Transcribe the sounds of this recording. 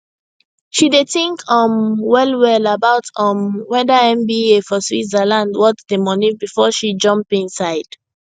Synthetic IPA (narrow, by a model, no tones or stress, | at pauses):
ʃideθĩŋkʰʌ̃mwɛlwɛlabaʊtʌ̃mwɛdaɛ̃mbiefɔswḭzalãndwɔtdemɔnibifɔʃid͡ʒʌ̃mpĩnsaɪd̥